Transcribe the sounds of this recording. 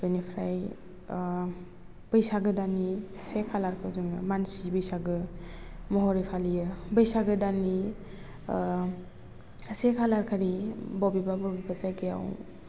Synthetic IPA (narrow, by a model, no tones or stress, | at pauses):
bɯjnipʰɾaj | b̥əjsaɡɯdanisekʰalaɾkʰɯwzɯŋɯmansibɯjsaɡɯ | mɔɦɔɾipʰalijɯbəjsaɡɯdani | sekʰalaɾkʰaɾibɔbibabɔbibasajkɯja̰w